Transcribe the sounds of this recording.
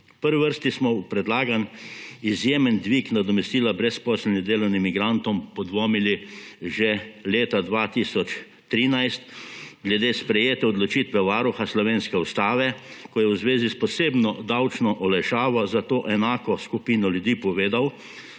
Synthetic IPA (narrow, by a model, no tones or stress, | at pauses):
pəɾʋiʋəɾst̪ismɔwpɾɛd̪laːɡanizjeːmənd̪ʋiːknad̪ɔmɛst̪iːlabɾɛspɔːsəlnʲid̪eːlɔwnimːiɡɾant̪ɔmpɔd̪ʋɔːmiliʒɛleːt̪ad̪ʋat̪iːsɔt͡ʃ | t̪ɾiːnajst̪ɡlɛd̪eːspɾɛjeːt̪ɛɔd̪lɔt͡ʃiːt̪ʋɛʋaːɾuxaslɔʋeːnskɛust̪aːʋɛkɔjɛwzʋeːzispɔseːbnɔd̪awt͡ʃnɔʔɔlɛʃaːʋɔzat̪oːʔɛnaːkɔskupiːnɔljud̪iːpɔʋeːd̪aw